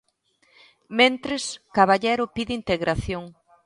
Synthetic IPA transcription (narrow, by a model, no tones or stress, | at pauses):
mẽnt̪ɾeskaβaʎɛɾʊpiðɪint̪eɣɾʔaθjoŋ